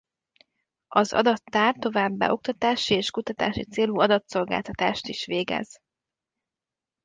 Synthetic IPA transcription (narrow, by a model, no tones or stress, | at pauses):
ɒzɒ̰d̪ɒt̪ːaːrt̪ːo̞vaːbːa̰ʔo̞k̚t̪ɒt̪aːʃieːʃkut̪ɒt̪a̰ːʃit̪seːluɒd̪ɒt̪so̞lɡa̰ːlt̪ɒt̪aːʃt̪iʃʋeːɡɛ̰z